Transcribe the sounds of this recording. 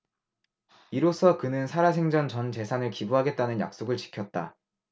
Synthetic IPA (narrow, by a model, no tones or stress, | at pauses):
iɾosʰʌkɯnɯnsʰaɾasʰe̞ŋd͡ʑʌnt͡ɕʌnt͡ɕe̞sʰanɯɭkibuɦaɡe̞t̚t͈anɯnja̰k̚s͈oɡɯɭt͡ɕi̥kʰjʌt̚t͈a̰